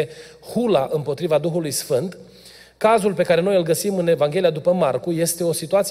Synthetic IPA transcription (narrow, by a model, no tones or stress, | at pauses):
e | hulaʔɨmpo̞t̪ɾivad̪uxulujsfɨnt̪ | kazulpe̞kaɾe̞no̞jɨlɡəsimɨne̞vaŋɡʲelijad̪upəmarkuje̞st̪e̞o̞sit̪uat̪s